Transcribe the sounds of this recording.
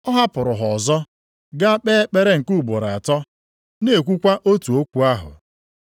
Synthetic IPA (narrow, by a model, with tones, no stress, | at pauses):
ɔ˦ɦa˦pʊ˨ɾʊ˨ɦɔ˨zɔ˦ | ɡa˦k͡pe˦k͡pe˦ɾe˦ŋ̩˨ku˦˨bʊ˨ɾa˨tɔ˦ | ne˨kʷu˦kʷa˦ʔo˦tu˨o˦kʷu˦a˦ɦʊ̰˨